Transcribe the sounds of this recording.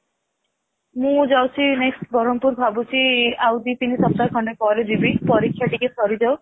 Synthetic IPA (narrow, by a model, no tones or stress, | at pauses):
mũd͡ʒawt͡ʃʰineksʈbɔɾɔmpuɾbʱabut͡ʃʰiawd̪it̪inisɔp̚t̪akʰɔɳɖekɔled͡ʒibipɔɾikʰːjaʈikesɔɾid͡ʒaw